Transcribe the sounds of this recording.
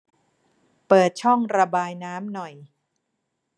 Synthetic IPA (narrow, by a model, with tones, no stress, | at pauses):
pɤː˨˩t̪̚t͡ɕʰɔ˥˩ŋɾa˧baː˧jnaː˦˥mnɔ˨˩j